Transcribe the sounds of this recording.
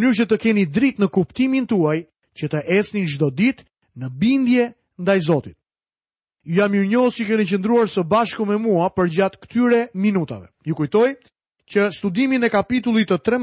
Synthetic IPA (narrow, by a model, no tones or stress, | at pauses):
nyɾt͡ɕət̪əkɛnid̪ɾit̪nəkupt̪imint̪uaj | cət̪əʔɛsninʒd̪ɔd̪it̪ | nəbind̪jɛ | nd̪ajzɔt̪it̪̚ | jamiɾɲɔsikɛnit͡ɕənd̪ɾuaɾsəbaʃkumɛmuapəɾd͡ʑat̪kə̥t̪yɾɛminut̪a̰vɛ̰jukujt̪ɔj | cəst̪ud̪iminɛkapit̪ulˠit̪ːət̪ɾɛ